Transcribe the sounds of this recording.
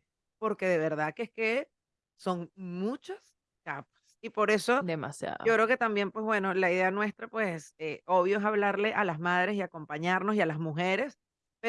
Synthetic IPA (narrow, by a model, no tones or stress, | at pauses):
po̞ɾke̞ðe̞β̞e̞ɾðakeeske | so̞ŋmut͡ʃas | kapsipo̞ɾe̞so̞d̪ema̰sja̰ðo̰okɾe̞oke̞t̪ambje̞mpwe̞sβwe̞no̞laiðe̞anwe̞st̪ɾapweseo̞β̞jo̞esaβlaɾle̞ʔalasmað̞ɾe̞siako̞mpaɲaɾnosialazmuxe̞ɾe̞s | pe